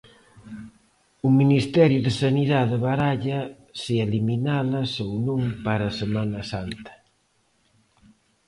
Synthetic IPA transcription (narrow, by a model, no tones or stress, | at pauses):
ʊminist̪ɛɾjʊðɪsaniðaðɪβaɾaʎɐ | sieliminalɐsownõŋpaɾɐsemanɐsant̪ɐ̥